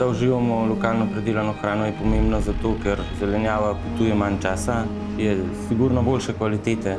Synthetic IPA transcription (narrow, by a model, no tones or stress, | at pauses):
auʒiːʋamɔlɔkaːlnɔpɾɛd̪eːlanɔxɾaːnɔjɛpɔmẽmbnɔzat̪oːkɛɾzɛlɛnjaːʋaput̪uːjɛmant͡ʃaːsa | jɛ | siɡuɾnɔboːlʃɛkʋalit̪eːt̪ɛ